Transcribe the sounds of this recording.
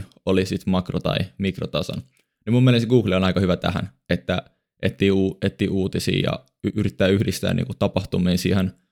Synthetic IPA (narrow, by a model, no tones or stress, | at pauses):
olisit̪mɑkrot̪ɑ̰imikrot̪ɑso̰n | nimumːielesɡuːɡlionɑikɑhyʋæt̪æ̰hæ̰n | et̪ːæ | ʔet̪ːiːuːet̪ːiːʔuːt̪isḭːjɑ̰ | yrit̪ːæːyhdist̪æ̰ːnʔḭːkut̪t̪ɑpɑht̪umiːnsḭhen